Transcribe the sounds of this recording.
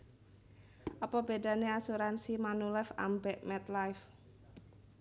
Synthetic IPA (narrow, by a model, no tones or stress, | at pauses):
ʔɔpɔbeɖä̤neasuɾansimanulɛfa̰mbɛʔmɛt̪lajf